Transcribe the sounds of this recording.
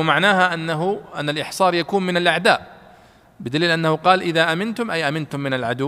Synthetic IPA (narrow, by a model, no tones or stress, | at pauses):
maʕnaːɦaʔnːaɦʔa̰nːalʔɪħsˤɑːɾˤjakuːnmɪnalʔaʕd̪aːʔ | bɪd̪aliːlʔanːahʊqɑːlʔɪðaʔamɪnt̪ʊmʔajʔamɪnt̪ʊmːɪnalʕad̪ʊ